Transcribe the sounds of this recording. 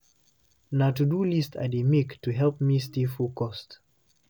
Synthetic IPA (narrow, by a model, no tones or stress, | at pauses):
natudulista̰dimiktuɦɛlp̚mistifukɔst